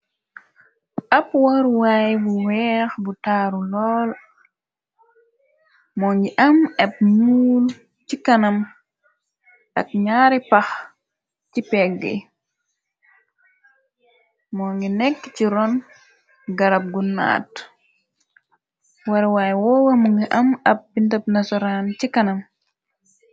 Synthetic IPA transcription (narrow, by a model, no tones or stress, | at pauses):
ʔɐpwɔɾwaːjbuwɛːxbutaːɾulɔːl | mɔːŋɡiʔɐmɛp̚ɲuːl | cikɐnɐm | ʔɐk̚ɲaːɾipax | cipɛɡɛ̰ | mɔːŋɡinɛkːciɾɔn | ɡɐɾap̚ɡunːa̰ːt | waɾwajwɔwɐmuŋɡiʔɐmɐp̚ːintɐpnasɔɾancikanɐm